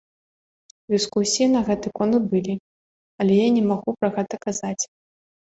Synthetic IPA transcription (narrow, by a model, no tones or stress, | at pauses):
d̪ɨskusʲijinɐɣɛt̪ɨkɔnd̪bɨlʲi | ɐlʲɛjanʲɛmaɣupɾɐɣɛt̪ɐkazat͡sʲ